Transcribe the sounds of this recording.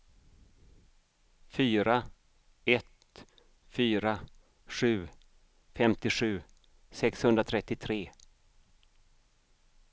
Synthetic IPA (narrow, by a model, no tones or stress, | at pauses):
fyːɾa | ɛt̪ | fyːɾa | ɧʉ̟ː | fɛmt̪ɪɧʉ̟ː | sɛkshɵnd̪ɾat̪ʰɾɛt̪ːɪt̪ʰɾeː